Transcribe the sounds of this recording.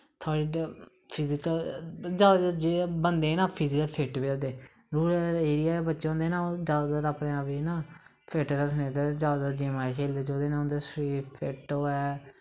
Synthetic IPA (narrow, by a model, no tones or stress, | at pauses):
t̪ʰɔːɽiː | pʰɪzɪkəld͡ʒaːd͡ʒeːbənd̪eːnãːpʰɪzɪkəlpʰeʈbiːoːd̪eː | ɾuːɽeːɾɪjaːbətːʃẽːʊ̃nd̪eːnãːoːd͡ʒaːd̪əɾaːpnẽːaːpiːnãː | pʰeʈɾəsnẽːt̪ed͡ʒaːd̪əɾd͡ʒeːmaːikʰeːlːeːd͡ʒoːd̪eːnãʊ̃nd̪eːsɾiːpʰeʈoːɛː